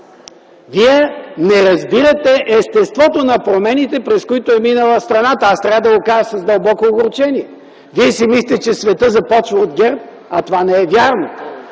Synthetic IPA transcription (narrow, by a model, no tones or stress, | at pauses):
viɛnɛɾɐzbiɾɐt̪ɛʔɛst̪ɛst̪vɔt̪onɐpɾomɛnit̪ɛpɾɛskoit̪oɛminəlˠɐst̪ɾɐnat̪ɐast̪ɾʲavəd̪ɐɡokaʒəsɐzd̪ɐlˠbɔkoːɡɾʊt͡ʃɛniɛ | viɛsɛmisit̪ʲɛt͡ʃɛsvɛt̪ɤzɐpɔt͡ʃvɐod̪̚ɡʲɛɾp̚ | ɐt̪ovanɛɛvjaɾno